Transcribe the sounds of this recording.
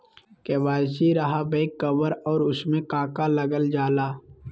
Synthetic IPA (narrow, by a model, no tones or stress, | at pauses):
keːʋaːsiɾəɦabeːkːəbəɾɔːɾʊsmẽkaːkaləɡəld͡ʒaːlaː